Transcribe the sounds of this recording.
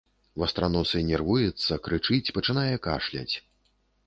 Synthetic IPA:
vɐst̪ɾanusɨnʲɛrvujɛt̪sːɐkɾɨt͡ʂɨt͡sʲpɐt͡ʂɨnajɛka̰ʂlʲa̰t͡sʲ

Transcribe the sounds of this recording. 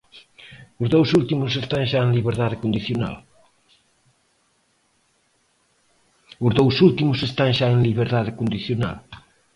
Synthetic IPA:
ʊzðowsult̪imʊsest̪aŋʃaenliβeɾðaðekond̪iθjona̰l | ʊzðowsult̪imʊsest̪aŋʃaeŋliβ̞eɾðaðekond̪iθjona̰l

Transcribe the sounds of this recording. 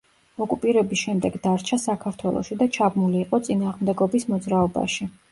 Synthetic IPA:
ɔkʼupʼiɾɛbisʃɛmd̪ɛɡd̪aɾt͡ʃʰasakʰaɾt̪ʰwɛlˠɔ̰ʃid̪at͡ʃʰabmuliːqʼɔt̪sʼinaːʁmd̪ɛɡɔbismɔd̪zɾaɔba̰ʃi

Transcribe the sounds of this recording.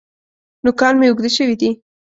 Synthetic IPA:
nʊkɑnmeuɡd̪eʃəwid̪i

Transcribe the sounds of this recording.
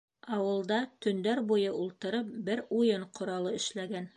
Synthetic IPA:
ɑwɤ̆lˠd̪ɑt̪ɵ̆nd̪æɾbujɤulˠt̪ɤ̆ɾɤp̚bɘɾujɤɴqʰŏɾɑlˠɤɘ̆ʃlæɡæn

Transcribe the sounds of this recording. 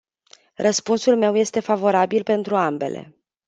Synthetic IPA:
rəspunsulme̞wje̞st̪e̞favo̞ɾabilpe̞nt̪ɾuambe̞̰le̞̰

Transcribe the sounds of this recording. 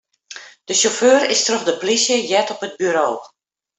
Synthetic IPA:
d̥əʃoføːɾɪstrøxdəplisjəjɛtɔpəd̚byɾoː

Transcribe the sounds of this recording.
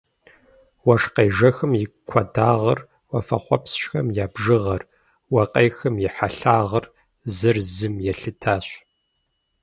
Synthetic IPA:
wɐʂqeːʒɐxɨmjɪkʷʰɐdaːʁɐr | wɐfɐ̰χʷɔpsʃxɐmjaːbʒɨʁɐr | wɐqʼejxɨmjɪħaɬaːʁɐr | zɨrzɨmjɛɬɨtʰaːɕ

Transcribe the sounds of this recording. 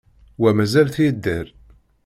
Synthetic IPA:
wæmæzælθid̪ːæɾ

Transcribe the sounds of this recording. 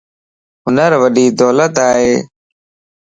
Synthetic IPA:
ɦʊnəɾʋəɗiːd̪oːlət̪aːɦeː

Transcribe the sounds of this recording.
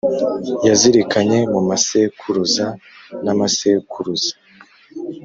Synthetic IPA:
jaziɾikaɲe̞mumasekʰuɾuzanamasekʰuɾuz̥ḁ

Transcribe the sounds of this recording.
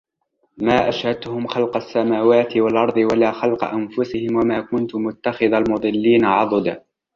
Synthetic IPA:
maːʔaʃhad̪̚t̪ːʊhʊmxalqɑsːamaːwaːt̪ɪwalʔɑɾˤd̪ˤɨwalaːxɑlqɑ̰ʔanfʊsɪhɪmwamaːkʊnt̪ʊmʊt̪ːaxɪðalmʊd̪ˤɨlːiːnaʕɑd̪ˤd̪

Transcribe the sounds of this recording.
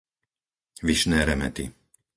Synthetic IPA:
ʋiʃnɛːɾɛmɛ̰t̪ḭ

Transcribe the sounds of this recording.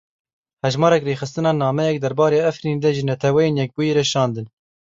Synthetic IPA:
hɛʒmɑːɾɛkreːxɨst̪ɨnɑːnɑːmɛjɛk̚d̪ɛɾbɑːɾeːæfɾiːnd̪ɛʒɨnɛt̪ʰɛwɛjeːnjɛk̚buːjeɾɛʃɑːnd̪ɨn

